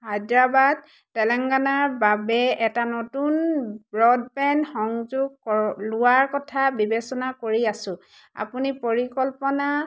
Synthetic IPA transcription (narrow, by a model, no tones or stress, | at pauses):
hajdɹabad̚ | tːɛlɛŋɡanaɹbabɛɛtanotunbɹɔd̚pɛnxɔŋzuɡ̚kɔlʊwaɹkɔtʰabibesɔnakoɹiasʊ̃ | a̰punipoɹikɔlpɔna